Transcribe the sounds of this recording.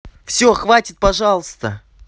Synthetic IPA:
fsʲoxvatʲɪt̪̚pɐʐɑlˠəst̪ə

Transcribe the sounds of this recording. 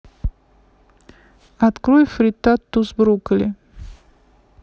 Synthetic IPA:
at̪kɾujfɾʲit̪at̪ːusbɾukəlʲɪ

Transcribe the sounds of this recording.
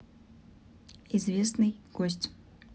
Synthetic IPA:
izvʲesnɨjɡ̥osʲtʲ

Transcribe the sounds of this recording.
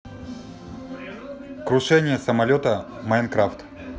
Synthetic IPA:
kɾʊʂɛnʲɪjəsəmɐlʲot̪əmɐjnkɾaft̪

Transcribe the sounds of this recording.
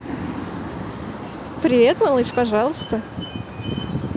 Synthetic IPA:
pɾʲɪet̪malˠɨʂpɐʐɑlˠəst̪ə

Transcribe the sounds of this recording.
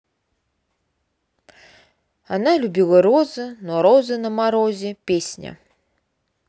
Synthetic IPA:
analʲubʲilˠəɾozɨnoɾozɨnəmaɾozʲɪpʲesʲnʲə̰

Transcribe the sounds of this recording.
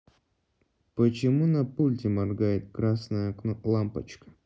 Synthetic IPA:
pət͡ɕɪmunɐpulʲtʲɪmɐrɡajɪt̪̚kɾasnəjəɐknolˠampət͡ɕkə̥

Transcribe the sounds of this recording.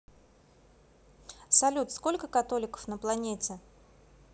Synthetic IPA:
sɐlʲut̪sko̞lʲkəkɐt̪o̞lʲɪkə̥fnəplˠɐnʲetʲɪ

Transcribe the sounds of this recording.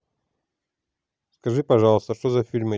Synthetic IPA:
skɐʐɨpɐʐɑlˠəst̪əʂt̪ozɐfʲilʲmə

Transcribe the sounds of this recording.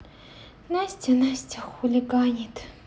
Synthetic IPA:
nasʲtʲanasʲtʲʰaxulʲiɡaɲit̪

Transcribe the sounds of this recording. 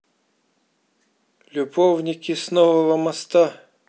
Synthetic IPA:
lʲubɔwnʲikʲisnɔwɔlˠɔmɐst̪a

